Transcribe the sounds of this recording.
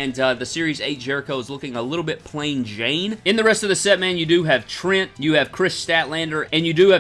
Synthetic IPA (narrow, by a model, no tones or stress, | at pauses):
ɨ̃nðɨsɪɹizeɪt̚d͡ʒ̥ɛɹɨkoʊzlʊkɪ̃ŋəlɪɾl̩ˠbɪt̚pʰl̥ẽɪ̃nd͡ʒẽɪ̃nɨ̃nðɨɹɛstʌvðɨsɛt̚mæ̃njɨdɨɨv̥tʰɹ̥ɪ̃ntjɨːv̥kʰɹ̥ɪstætˡlæ̃ndə˞ɨ̃njɨdɨɨ